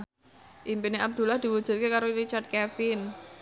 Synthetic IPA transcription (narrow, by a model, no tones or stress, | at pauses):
ʔimpineab̚d̪̥ṳlahd̪̥i̤wud̥ʒ̥ṳt̪̚kekaɾoiɾit͡ʃart̪̚kɛfɪn